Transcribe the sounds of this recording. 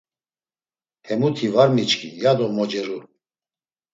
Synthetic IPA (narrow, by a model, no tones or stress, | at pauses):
hɛmut̪ʰivaɾmit͡ʃkʰʼijad̪ɔmɔd͡ʒɛɾu